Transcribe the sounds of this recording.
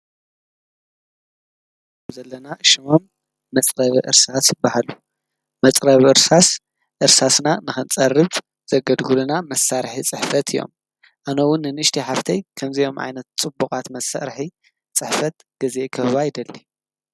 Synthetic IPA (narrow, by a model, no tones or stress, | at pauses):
mzɐlːɐnaʃɨmo̞mː | ɐt͡sʼɾɐβʔɨ̰ɾsasjɪbːahalu | mɐt͡sʼɾɐβʔɨɾsas | ʔɨɾsasnanɨxɨnt͡sʼɐrːɨβ | z̥ɐɡɐd̪ɡulunamɐsaɾħit͡sʼɨħfɐt̪ʰɨjo̞̰m | ʔanɐwʊnːɨnɨʃt̪ʰiħaft̪ʰɐjkʰɐmzɐjo̞mʕa̰jnɐt̪t͡sʼɨbukʼat̪mɐsa̰ɾħi | t͡sʼɨħfɐt̪ | ɡ̥ɨzekʰɐββajɪd̪ɐlːi